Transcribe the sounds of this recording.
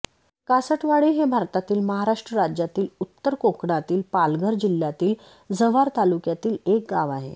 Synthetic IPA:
kasəʈʋaɭiɦebʱaɾt̪at̪iːlməɦaɾaʂʈɾəɾad͡ʑjat̪iːlut̪ːəɾkokɽat̪iːlpalɡʱəɾd͡ʑilːjat̪iːl | d͡zəʋaɾt̪alukjat̪iːlek̚ɡaʋaɦḛ

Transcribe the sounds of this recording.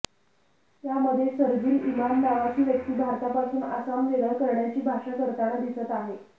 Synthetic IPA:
jaməd̪ʱːjesəɾd͡ʑiːlimamnaʋat͡ɕiːʋjək̚t̪iːbʱaɾt̪apasuːnasamʋeləɾkəɾɳjat͡ɕiːbʱaʂakəɾt̪aɽad̪isət̪aɦe

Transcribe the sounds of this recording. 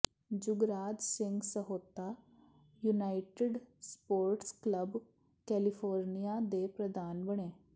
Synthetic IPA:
d͡ʒuɡɾaːd̪sɪŋɡsəɦot̪a | junaiʈeɖspoːɾʈskləb | kɛlifʰoːɾnijad̪epɾəd̪ʱaːnbəɽẽː

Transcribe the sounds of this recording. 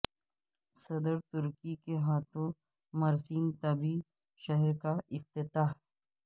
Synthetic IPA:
sɐd̪əɾt̪ʊɾkikeɦaːt̪õ | mɐɾsiːnt̪ɐbi | ʃɐɦɛɾkaɪqt̪ɪt̪aːɦ

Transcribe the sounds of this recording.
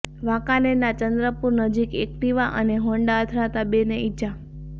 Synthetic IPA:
ʋãkanenat͡ʃənd̪ɾəpuɾnəd͡ʒikek̚ʈiʋaʔəneɦõɳɖaət̪ʰɾat̪abeneit͡ʃʰa

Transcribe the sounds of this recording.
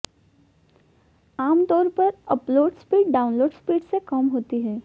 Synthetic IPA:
aːmt̪ɔːɾpɐɾəploːɖspiːʈ̚ɖaːʊ̃nloːɖspiːʈsekɐmɦoːt̪iɦɛː

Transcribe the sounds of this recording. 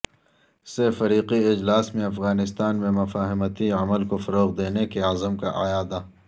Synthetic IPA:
sefɐɾiːqiɪd͡ʒlaːsmẽɐfɣaːnɪst̪aːnmẽmɐfaːɦɪmət̪iɐməlkofɐɾoːqd̪eːnekeazəmka̰ʔajaːd̪a

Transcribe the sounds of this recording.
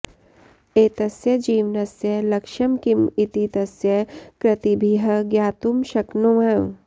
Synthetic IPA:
eːt̪ɐsjɐd͡ʒiːʋnɐsjɐlɐkʃɐmkimit̪it̪ɐsjɐkɾɐt̪ibʱiɦɐɡjaːt̪umʃɐknoʋɐ̃

